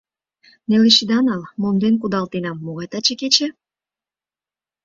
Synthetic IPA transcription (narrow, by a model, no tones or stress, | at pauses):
neleʃid̪ɑnɑlmond̪enk̬ud̪ɑlt̪enɑmːoɣɑjt̪ɑt͡ɕeket͡ɕe